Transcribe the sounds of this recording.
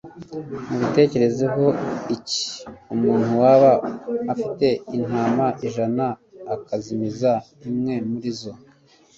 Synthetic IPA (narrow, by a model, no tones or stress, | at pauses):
muβite̞ːce̞ɾe̞zeɦo̞ici̥umuːn̥huwaβaːfite̞in̥aːmaʔiʒanaːkazimizaimŋe̞muɾizo